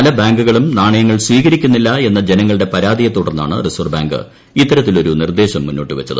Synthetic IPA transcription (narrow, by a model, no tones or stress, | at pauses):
ɐlɐbaːŋɡuɣɐɭumnaːɳɐjɐŋːɐɭsʋiːɣɐɾikʲːunːilːɐe̞nːɐd͡ʑenɐŋːɐɭɨɽe̞pɐɾaːd̪ijɐt̪ːuːɽɐrnːa̰ːɳɨ̰risorbaːŋɡɨ̰ | it̪ːɐɾɐt̪ːilo̞ɾunird̪e̞ːɕɐmːunːo̞ːʈːɨʋɐt͡ɕːɐðɨ